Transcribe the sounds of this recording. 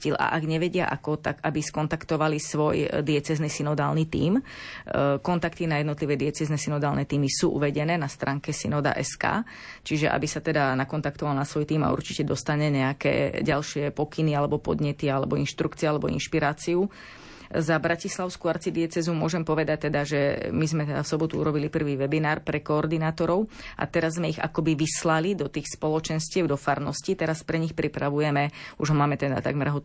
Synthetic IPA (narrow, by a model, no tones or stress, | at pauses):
ila̰ʔaɡɲɛʋɛɟɪa̰ʔa̰kɔt̪a̰ɡabiskɔnt̪akt̪ɔʋalisʋɔjd̪ɪɛt͡sɛznisinɔd̪aːlnit̪ḭːm | kɔnt̪akt̪inajɛd̪nɔt̪liʋɛːd̪ɪɛt͡sɛznɛsinɔd̪aːlnɛt̪iːmisuːʔṵʋɛɟɛnɛːnast̪ɾaːŋkɛsḭnɔd̪a̰ʔɛska̰ː | t͡ʃiʒɛʔa̰bisat̪ɛd̪anakɔnt̪akt̪ɔʋalnasʋɔjt̪iːma̰ṵɾt͡ʃicɛd̪ɔst̪aɲɛɲɛakɛ̰ːɟalʃɪɛpɔkinialɛbɔpɔ̰d̪ɲɛt̪ialɛbɔinʃt̪ɾukt͡siɛalɛbɔḭnʃpiɾaːt͡siu | zabɾacislaʊskuaɾt͡sid̪ɪɛt͡sɛzumʊɔʒɛmpɔʋɛd̪ac̚t̪ɛd̪aʒɛmizmɛt̪ɛd̪afsɔbɔt̪uṵɾɔbilipr̩ʋiːʋɛbinaːɾpɾɛkɔːɾd̪inaːt̪ɔɾɔʊʔa̰t̪ɛɾazːmɛiɣa̰kɔbiʋislalid̪ɔt̪iːxspɔlɔt͡ʃɛnscɪɛʊd̪ɔfaɾnɔscit̪ɛɾaspɾɛɲixpɾipɾaʋujɛmɛuʒɦɔmaːmɛt̪ɛd̪a̰t̪a̰ɡmɛɾɦɔ